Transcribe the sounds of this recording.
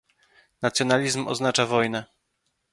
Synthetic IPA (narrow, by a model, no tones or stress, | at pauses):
nat̪sjɔnalʲizmɔ̰znat͡ʂavɔjnɛ